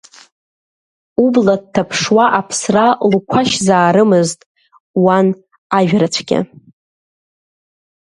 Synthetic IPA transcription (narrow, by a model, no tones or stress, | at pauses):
ublad̚tʰapʰʂwaʔapʰsralkʷʰaʃzaːɾɨmɨztʼ | wan | aɥᶣrat͡ɕʷʰɡʲɪ̰